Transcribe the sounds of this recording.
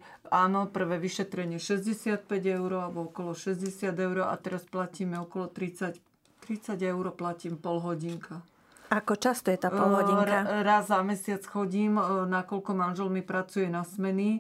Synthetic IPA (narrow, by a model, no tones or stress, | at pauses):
aːnɔpr̩ʋɛʋiʃɛt̪ɾɛɲɪɛʃɛzɟɛsɪat̪̚pɛɟɛʊɾɔabɔɔkɔlɔʃɛzɟɛsɪad̪ɛʊɾɔʔa̰t̪ɛɾasplaciːmɛɔkɔlɔt̪ɾit͡sac | t̪ɾit͡saɟɛʊɾɔplaciːmpɔlɦɔɟiŋkʰa | akɔt͡ʃast̪ɔjɛt̪aːpɔlɦɔiɾaɾazamɛsɪat͡sxɔɟiːmnakɔʎkɔmanʒɛlmipɾat͡sujɛnasmɛni